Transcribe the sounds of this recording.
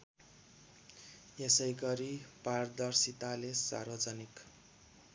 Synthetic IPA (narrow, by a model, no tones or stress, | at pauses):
jesʌjɡʌɾipard̪ʌrsit̪alesa̰rbʌd͡zʌnik